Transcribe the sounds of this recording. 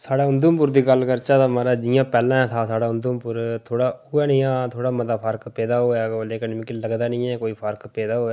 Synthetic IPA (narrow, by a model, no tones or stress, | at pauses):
saːɽaːʊnd̪ũːmpʊɾd̪iːɡəlkəɾt͡ʃaːt̪amaɾaːd͡ʒɪjãːpɛːlãːt̪ʰaːsaːɽaːʊnd̪uːmpʊɾt̪ʰoːɽaːʊːɛːnĩːãːt̪ʰoːɽaːməd̪aːpʰəɾkpɛːd̪aːɦoːaːleːkənmĩːkiləɡd̪aːnĩːɛ̃ːkoːiːpʰəɾkpɛːd̪aːɦoːaː